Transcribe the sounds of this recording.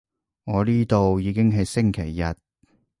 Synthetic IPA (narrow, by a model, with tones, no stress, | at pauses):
ŋɔː˨˧liː˥t̪o˨wjiː˨˧kɪ˥ŋɦɐ˨jsɪ˥ŋkʰe˨˩jːɐ˨t̚